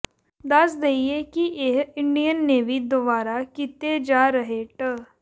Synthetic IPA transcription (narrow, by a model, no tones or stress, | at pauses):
d̪ɐsd̪eiekiʔeɦɪɳɖijənːeːʋid̪obaːɾakit̪ed͡ʒaːɾəɦeʈə